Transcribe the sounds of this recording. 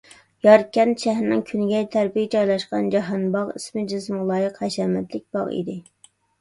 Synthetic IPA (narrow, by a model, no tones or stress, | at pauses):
jɑɾkʲːɛnʃɛɦɾɪnɪŋkʲʰynɡʲɛjt̪ʰæɾpijd͡ʒɑjlˠɑʃqɑnd͡ʒɑɦɑnbɑʁismɪd͡ʒɪsmlˠɑːjɨqhɛʃɛmɛt̪lɪk̚ʲb̥ɑ̰ʁḭd̪ɪ